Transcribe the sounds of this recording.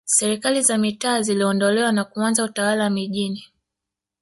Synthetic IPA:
sɛɾikalizamitaːziliɔndɔlɛwanakuanzautawalawamiʄini

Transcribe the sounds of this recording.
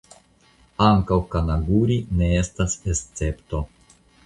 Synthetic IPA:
aŋkawkanaɡuɾine̞e̞stasest͡se̞pto̞

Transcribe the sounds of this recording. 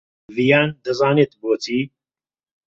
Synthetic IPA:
vijaːnd̪ɐzaːneːt̪boːt͡s̪ʰiː

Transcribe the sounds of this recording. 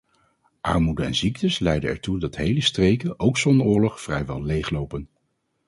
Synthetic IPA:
ʔɑ̰ɹmudənɛ̰nziktəslɛjdənɛ̰ɹtudɑtɦejləstrejkənʔowksɔnʊːɹlɔχfrɛjʋɛ̰lˠlejχlowpən

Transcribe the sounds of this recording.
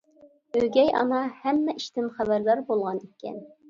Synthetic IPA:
øɡʲɛjʔɑ̰nɑhæmːɛʔiʃt̪ɪmχæbæɾlæɾbolˠʁɑnekʲʰːɛ̰n

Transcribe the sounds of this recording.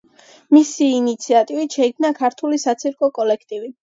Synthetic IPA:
misiːnit̪sʰiat̪ʼivit̪ʃɛik̚ʰnakʰaɾt̪ʰulisat̪sʰiɾkʼɔkʼɔlɛkʰt̪ʼivi

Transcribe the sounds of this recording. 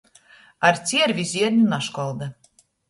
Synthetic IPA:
aɾt̪sʲiɛɾvʲizʲiɛɾnʲunaʃkɔlˠd̪a

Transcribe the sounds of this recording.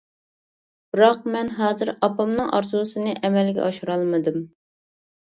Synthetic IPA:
b̥ɨɾɑq̚mɛnɦɑːzɨɾɑpɑmnɨŋʔɑ̰ɾzusɨnɨʔɛmɛlɡʲɛ̰ɑʃuɾɑlˠmɨd̪ɨm

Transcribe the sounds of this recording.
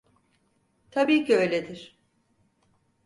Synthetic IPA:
t̪ʰabiːcʰiø̞jlʲed̪iɾ̥

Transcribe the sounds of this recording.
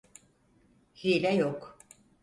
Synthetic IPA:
hilʲɛjok

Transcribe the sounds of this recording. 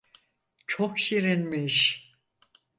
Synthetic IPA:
t͡ʃʰokʃiɾinmeʃ

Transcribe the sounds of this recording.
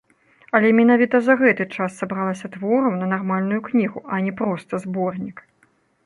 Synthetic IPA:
ɐlʲɛmʲɛnavʲit̪ɐzɐɣɛt̪ɨt͡ʂasːɐbɾalˠɐsʲɐt̪vɔɾɐwnɐnarmalʲnujuknʲiɣuʔɐnʲɛpɾɔst̪ɐzbɔrnʲik

